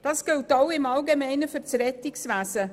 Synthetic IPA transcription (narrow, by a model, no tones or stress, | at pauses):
d̥ɑːsɡ̥ɪltawɪmɑlɡemɛɪnəfyɾt͡sɾɛtɪksʋæːsə